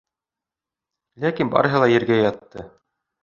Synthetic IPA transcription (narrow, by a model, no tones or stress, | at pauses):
lækinbɑ̰ɾɤ̆ɦɤ̆lˠɑjɘ̆ɾɡæjɑt̪ːɤ